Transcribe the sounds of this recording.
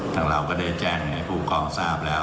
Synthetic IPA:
nʰa˨˧˩ŋɾa˧˩wkɔː˥˩da˥˩t͡ɕɛː˧˩ŋɯ˨˩ŋha˥˩jpʰuː˥˩kɔː˧ŋsaː˥˩p̚lɛː˦˥

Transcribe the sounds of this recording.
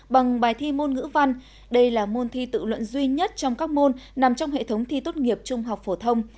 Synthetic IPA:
ɓa˨˩ŋɓaː˨˩jt̪ʰi˧mo˧nŋɨ̰˧˥va˧n | ɗə˧jlaː˨˩mo˧nt̪ʰi˧t̪ɨ̰˧˨lwə̰˧˨nzwi˧ɲə˦˥t̚t͡ɕɔ˧wŋ͡mkaː˦˥k̚mo˧nna˨˩mt͡ɕɔ˧wŋ͡mɦḛ˧˨t̪ʰə˨˦wŋ͡mt̪ʰi˧t̪o˦˥t̚ŋi˨˩əp̚t͡ɕʊ˧ŋ͡mɦa˨˩wk͡p̚fo˧˩t̪ʰə˧wŋ͡m

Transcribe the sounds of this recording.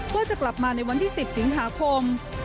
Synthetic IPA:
waː˥˩t͡ɕa˨˩kla˨˩p̚maː˧na˧jwa˧nt̪ʰiː˥˩si˨˩p̚si˩˦ŋɦaː˩˦˥kʰo˧m

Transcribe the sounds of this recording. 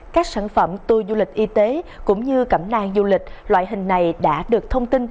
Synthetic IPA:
kaː˦˥k̚sa̰ː˧˩nfə˧˩mt̪ɨ˨˩zu˧li˨˩k̟̚ʔi˧t̪e˨˦kʊ̰˧˥ŋ͡mɲɨ˧kə˧˩mna̰ː˧ŋzu˧lï˨˩k̟̚lwa̰ː˧˨jɦï˨˩ŋ̟na˨˩jɗa̰ː˧˥ɗɨ˨˩ək̚t̪ʰə˧wŋ͡mt̪i˧n

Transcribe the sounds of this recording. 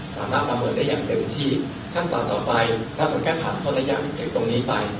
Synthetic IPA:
sa̰ː˩˦maː˥˩t̪̚ɾa˧mːɤː˧n̚daː˥˩jaː˨˩ŋp̪e˧nt͡ɕ̪ʰiː˥˩ | kʰaː˥˩t̪a̰ː˨˩˦t̪ɔː˨˩pa˧jlʰa˧˦˥pʰa˨˦kaː˥˩npʰaː˨˩nkʰɔː˧˩laː˦˥ja̰ː˨˩ŋpʰeː˥˩t̪o˧ŋniː˦˥pa˧j

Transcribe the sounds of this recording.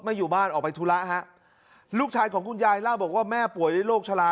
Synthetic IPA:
ma˥˩jːuː˨˩baː˥˩nʔɔː˨˩k̚pa˧jt̪ʰuː˦˥la˦˥ʔɦa˦˥ʔ | luː˥˩k̚t͡ɕʰaː˧jkʰɔː˩˦ŋkʰu˧njaː˧jlaː˥˩bɔː˨˩k̚waː˥˩mɛː˥˩pu˨˩˦əjdaː˥˩loː˥˩k̚t͡ɕʰa˧laː˧

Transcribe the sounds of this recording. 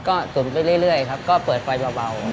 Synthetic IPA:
kɔː˥˩su˨˩˦npa˧˩jɾɯ˥˩əjɾɯ˥˩əjkʰa˦˥p̚kɔː˥˩pɤː˨˩t̪̚fa˧jba˧wa˧w

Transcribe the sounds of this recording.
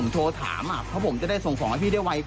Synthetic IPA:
ŋt̪ʰoː˧t̪ʰa̰ː˩˦mʔa˨˩ɔ˦˥pʰo˩˦t͡ɕa˨˩da˥˩jso˨˩ŋksɔː˩˦ŋa˧t̪ʰiː˥˩da˥˩wa˧j

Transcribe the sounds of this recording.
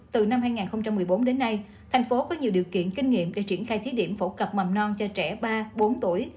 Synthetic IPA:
t̪ɨ˨˩na˧mhɦaː˧jŋaː˨˩nxə˧wŋ͡mt͡ɕa˧mːɨ˨˩əjɓo˨˦nɗe˨˦nːa˧j | t̪ʰɛ˨˩ŋ̟fo˨˦kɔ˨˦ɲi˨˩əwɗi˨˩əwkḭ˧˨ənkï˧ŋ̟ŋḭ˧˨əmɗḛ˧˩t͡ɕi˧˩ənxaː˧jt̪ʰi˨˦ɗi˧˩əmfo˧˥˩kə˨˩p̚ma˨˩mnɔ˧nt͡ɕɔ˧t͡ɕɛ˧˩ɓaː˧ɓo˨˦nt̪u˧˩əj

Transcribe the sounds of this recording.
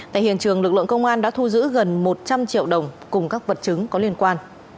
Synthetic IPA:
t̪a̰ː˧˨jhḭ˧˨ənt͡ɕɨ˨˩əŋlɨ˨˩k̚lɨ̰˧˨əŋkə˧wŋ͡mʔaː˧nɗa̰ː˧˥t̪ʰu˧zɨ̰˧˥ɣə˨˩nmo˨˩t̚t͡ɕa˧mt͡ɕḭ˧˨əwɗə˨˩wŋ͡mkʊ˨˩ŋ͡mkaː˦˥k̚və˨˩t̚t͡ɕɨ˨˦ŋkɔ˨˦lənkwaː˧n

